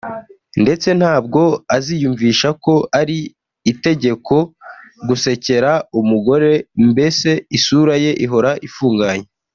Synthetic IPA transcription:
nde̞t͡se̞n̥haːb̚ɡo̞azijuːɱviːʃako̞aɾiː | te̞ɟe̞kʰo̞ɡuse̞ce̞ɾaumuɡo̞ɾe̞mbe̞se̞isuɾaje̞ʔiɦo̞ɾaʔifuːŋɡaɲe

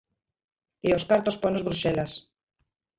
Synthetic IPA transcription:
eoskaɾt̪ospojnozβɾuʃelas

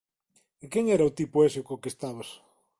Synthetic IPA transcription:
ɪkeŋɛɾɐʊt̪ipʊeseokokest̪aβɐs

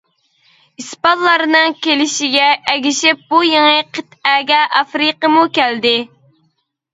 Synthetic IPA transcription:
ispɑt̪lˠɑɾnɨŋkʲelɪʃɪɡʲɛʔːɡʲiʃɪp̚bujeŋɨqʰət̪æɡʲɛʔɑfɾiqəmukʲæld̪ɪ

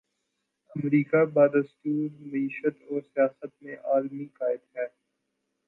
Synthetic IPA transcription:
ɐmɾiːkabaːd̪əst̪uːɾmɐiːʃət̪ɔːɾsijaːsət̪mẽʔaːlmikaːɪd̪ɦɛː

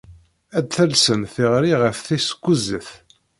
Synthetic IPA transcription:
æd̪θælsənθiʁɾiʁəfθisə̥kʷːuzəθ

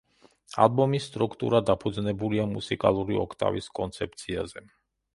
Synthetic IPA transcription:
a̰lˠbɔmisːt̪ʼɾukʰt̪ʼṵɾad̪apʰud̪znɛbuliamusikʼa̰lˠuɾiɔkʰt̪ʼa̰vḭskʼɔnt̪sʰɛp̚t̪sʰiazɛ

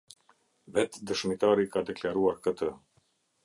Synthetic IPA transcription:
vɛt̪d̪əʃmit̪aɾikad̪ɛklaɾuaɾkət̪ə

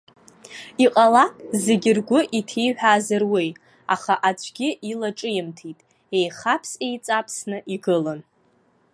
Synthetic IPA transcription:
iqʼalakʼze̞ɡʲɪrɡʷʊʔitʰejħʷᶣaːzɨrwej | aχaʔat͡ʃʷʰʼɡʲɪʔilaʈ͡ʂʼɨjɪmtʰitʼ | e̞jχapʰse̞jt͡sʼapʰsnɨʔiɡɨlan

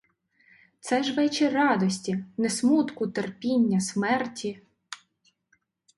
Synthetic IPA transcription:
t̪sɛʒʋɛt͡ʃirɑd̪ɔsʲtʲinesmut̪kʊt̪erpʲinʲːɐsmɛrtʲʰi

